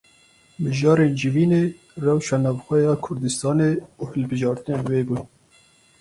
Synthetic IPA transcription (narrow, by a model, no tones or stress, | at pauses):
mɨʒɑːɾeːnd͡ʒɨviːneː | rɛwʃɑːnɑːvxʷɛjɑːkʰʊɾd̪ɨst̪ɑːneːuːhɨlbɨʒɑːɾt̪ɨneːnweːbuːn